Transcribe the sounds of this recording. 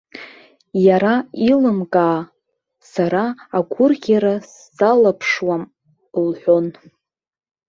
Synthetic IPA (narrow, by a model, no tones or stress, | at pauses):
jaɾailɨmkʼaː | saɾaːɡʷʰʊrɡʲaɾasːalapʰʂwam | lħʷo̞n